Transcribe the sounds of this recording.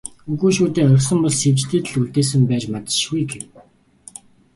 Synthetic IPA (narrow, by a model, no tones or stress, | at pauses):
ɵɣuːʃuːt̪eːœɾʲɪ̆χsə̆mpɔɮsew̥t͡ɕt̪ĕːt̪ɘ̆ɮuɮt̪eːs̬ɘ̆mpæːt͡ɕmat̪ə̥̆ʃɡujɡem